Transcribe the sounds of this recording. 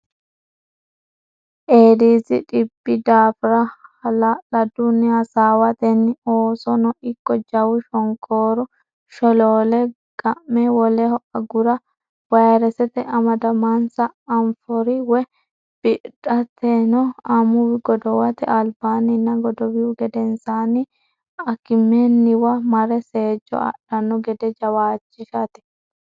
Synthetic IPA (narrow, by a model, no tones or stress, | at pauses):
ʔeːd̪iːzɪ̰ᶑɪbːɪd̪aːfɪɾɐɐlɐlɐd̪ʊnːɪɐsaːwɐt̪ɛnːɪoːsɔnɔʔɪkːɔd͡ʒɐwʊʃɔŋkʰʼoːɾʊ | ʃɔloːlɛ | ɡɐmːɛwɔlɛhɔʔɐɡʊɾɐ | wɐjɾɛsɛt̪ɛʔɐmɐd̪ɐmansɐːɱfɔɾiwɛ | b̥ɪʔᶑɐt̪ʰenɔɐmʊwɪɡɔd̪ɔwɐt̪ɛʔɐlbaːnɪnːɐɡɔd̪ɔwɪjʊɡɛd̪ɛnsaːni | ɐkɪmːeːnːɪwɐmɐɾɛse̞ːd͡ʒɔ̰ɐ̰ᶑɐnːɔɡɛd̪ɛd͡ʒɐwaːt͡ʃːɪʃɐt̪ɛ̥